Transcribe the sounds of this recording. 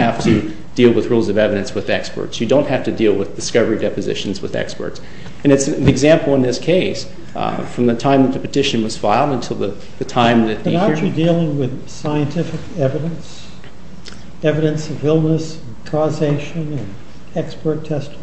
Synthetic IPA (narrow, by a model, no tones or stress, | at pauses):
hæftʰɨ | d̥ilˠwəðɹulˠzʌvɛvɨɾɨ̃nswɨðɛkspə̰˞tsjɨdõʊ̃nʔ̚hæftɨdilˠwəðdɨskʌvə˞idɛpɨzɪ̰ʃn̩zwə̰ðɛ̰kspə̰˞ts | ɨ̃nɨtsiɨɡzæ̃mpl̩ˠə̃nðɪskʰeɪs | fɹʌ̃mðɨtʰãɪ̃mðɨt̪̚ðɨpɨtʰɪʃɨ̃n̩wʌz̥faɪlˠdə̃n̩tʰɪlˠðə | ðɨtʰãɪ̃mðɨt̚nɑt͡ʃɨdilˠɪ̃ŋwɪð̥ | saɪɨ̃ntʰɪfɨkɛvɨɾɨ̃ns | ɛvɨɾɨ̃nsʌvɪlˠnəs | n̩kʰɔzeɪʃɨ̃nɨ̃n | ɛkspə˞tʰɛst